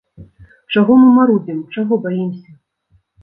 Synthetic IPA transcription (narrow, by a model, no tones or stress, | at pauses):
t͡ʂaɣɔmɨmaɾud͡zʲimt͡ʂaɣɔbajimsʲɐ